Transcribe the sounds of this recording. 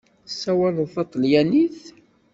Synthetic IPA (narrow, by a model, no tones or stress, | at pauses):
sːæwæləðθɑt̪ˤːljæniθ